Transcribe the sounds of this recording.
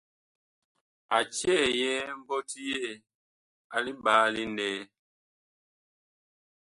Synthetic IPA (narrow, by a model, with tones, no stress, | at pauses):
a˨t͡ʃɛ˦˨jɛ˦m̩˦bɔ˦ti˦je˦˨ | a˨li˦baː˨˦li˦ndɛː˦